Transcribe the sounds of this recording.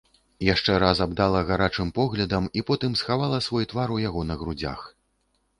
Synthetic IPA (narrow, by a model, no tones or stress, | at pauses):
jaʂt͡ʂɛɾazabd̪alˠɐɣaɾat͡ʂɨmpɔɣlʲɐd̪ɐmipɔt̪ɨmsxavalˠɐsvɔjt̪vaɾujaɣɔnɐɣɾud͡zʲa̰x